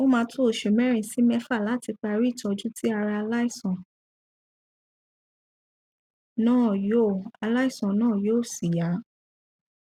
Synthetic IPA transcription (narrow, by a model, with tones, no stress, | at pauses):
o˦mãː˧˦tʰo˦˨ʃe˨mɛ˦ɾ̃ĩ˦˨si˨˦mɛ˦fa˦˨la˨˦ti˧k͡pa˧ɾi˦˨tʰɔ˧d͡ʒu˦tʰi˦a˧ɾa˧a˧la˦i˦˨sɔ̃˨ | nãː˦˨jo˦˨a˧la˦i˦˨sɔ̃˨nãː˦˨joː˦˨si˨ja˨˦